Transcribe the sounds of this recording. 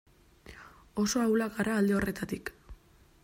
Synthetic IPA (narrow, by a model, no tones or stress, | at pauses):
o̞so̞awlakaɾaːld̪e̞o̞re̞t̪at̪ik